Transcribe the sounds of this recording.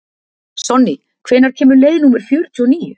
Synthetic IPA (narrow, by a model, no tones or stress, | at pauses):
sɔnːi | kʰv̥ɛːnaɾ̥cʰɛːmʏɾlejðɪnuːmɛɾ̥fjɔːɾ̥t̪ʰuːɔniːjʏ